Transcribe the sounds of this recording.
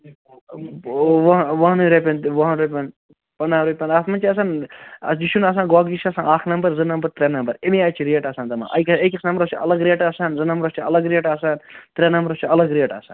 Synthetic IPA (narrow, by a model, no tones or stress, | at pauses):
ʋɐɦʋɐɦnɾepʲɐnʋɐɦnɾepʲɐn | pɐnaːɾepʲɐnaːt̪mɐnt͡ʃiɐs̬aːnɐd͡ʒiʃunɐs̬ãːɡoaːɡd͡ʒit͡ʃʰɐsãːaːkʰnɐmbɐɾzɨnɐmbɐɾt̪ɾʲenɐmbɐɾemiaːt͡ʃʰiɾeːʈɐsãːnd̪ɐma̰ːʔɐ̰kɐkʲɐsnɐmbɾɐt͡ʃʰiɐ̰lɐɡɾeːʈasaːnzɨnɐmbɾɐt͡ʃʰiɐlɐɡɾeːʈasaːnt̪ɾenɐmbɐɾɐt͡ʃʰiɐlɐɡɾeːʈɐ̰sa̰ːn